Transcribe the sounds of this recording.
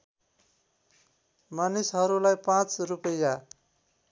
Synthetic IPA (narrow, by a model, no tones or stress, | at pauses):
manisɦʌɾulajpãt͡srupʌja